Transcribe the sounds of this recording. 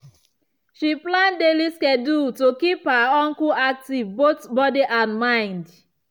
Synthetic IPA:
ʃiplãndeliskɛdutokiphaɔ̃ŋkuak̚tivbotbɔdiʔãnmãɪ̃nd

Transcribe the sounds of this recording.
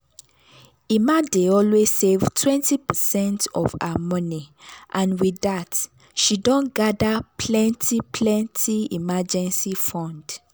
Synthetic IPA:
imadeɔlwez̥sevtʰwɛ̃ntipəsɛ̃ntɔ̰va̰amɔniʔãnwiðat | ʃidɔ̃nɡadapʰlɛ̃ntʰipʰlɛ̃ntʰiḭmad͡ʒɛ̃nsifɔ̃nd

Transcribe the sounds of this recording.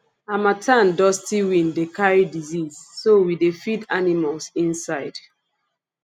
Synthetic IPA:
amatʰãndɔstiwĩndekaɹidizizːowidefidanimalsĩnsaɪd̥

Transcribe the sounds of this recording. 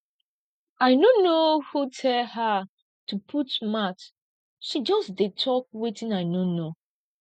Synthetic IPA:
aɪnonohutʰɛlha | tupʰutmat | ʃid͡ʒɔsdetʰɔk̚wetĩnaɪnono

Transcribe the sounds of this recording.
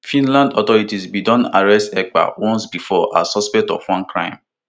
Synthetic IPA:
fĩnlãndɔt̪ɔɹitisbidɔ̃naɹɛstɛk̚k͡pa̰wɔ̃nsbifɔʔa̰sɔspɛk̚tɔfwɔ̃nkɹã̰ɪ̃m

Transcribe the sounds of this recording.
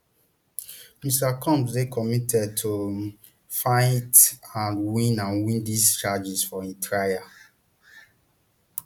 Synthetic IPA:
mistakʰɔ̃mpdekɔmitʰɛd̚tʰo | fãɪtãnwĩnãnwĩndist͡ʃad͡ʒisfɔĩtʰɹaja

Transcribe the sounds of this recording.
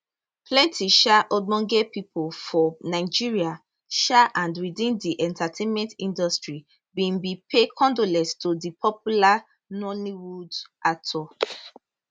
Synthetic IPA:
plɛ̃ntʰiʃaʔɔmɔ̃ŋɡɛpipʰolfɔnaɪd͡ʒiɹia | ʃaʔãndwidĩndiʔɛ̃ntatʰẽnmɛ̃ntĩndɔstɹi | bĩnbipʰekʰɔ̃ndolɛ̃stodipʰɔpula | nɔniwudatʰɔ

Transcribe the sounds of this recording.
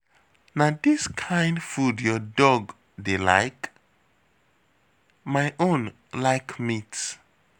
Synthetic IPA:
nadiskʰãj̃ndfudjɔdɔɡ | dela̰jk | majʔõn | laɪkʰmits

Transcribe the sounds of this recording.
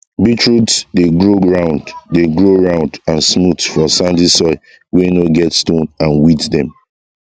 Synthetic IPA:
bitɹutsdeɡɹoɡɹãʊ̃nddeɡɹoɹãʊ̃ndãnsmutfɔsãndisɔɪ | wenoɡɛtstõnãnwitdɛ̰̃m

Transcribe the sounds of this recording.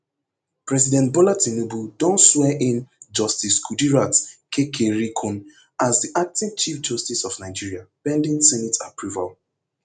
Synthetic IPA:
pɹɛzidɛ̃nt̚bɔlatĩnebudɔ̃nswɛʔɪ̃nd͡ʒɔstiskʰudiɹatkʰekʰeɹikʰũn | azdiʔak̚tĩvt͡ʃifd͡ʒɔstisɔfnaɪd͡ʒiɹiapɛ̃ndĩnsɛnitapɹuval

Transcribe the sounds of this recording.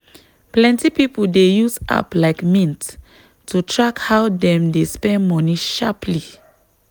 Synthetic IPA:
plɛ̃ntipipoldejusa̰plaɪkmĩnt | tːutʰɹakhawdɛ̃mdespɛ̃nmɔniʃapʰli

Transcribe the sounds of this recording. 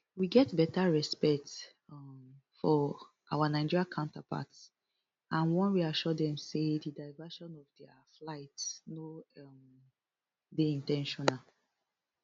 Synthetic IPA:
wiɡɛtbɛtaɹɛspɛk̚t | fɔ | ʔawanaɪd͡ʒiɹiakʰãʊ̃ntapʰa̰ts | ãnwɛ̃nwiaʃɔdɛ̃msedidaɪvɛʃɔ̃nɔvdɛə | flaɪtsno | deĩntɛ̃nʃɔ̃nal

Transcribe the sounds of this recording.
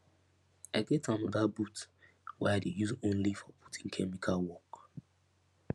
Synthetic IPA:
aɪɡɛtʰanɔdabut | wɛ̰adejuzõnlifɔpʰu̥tʰĩŋkʰɛmikʰalwɔk

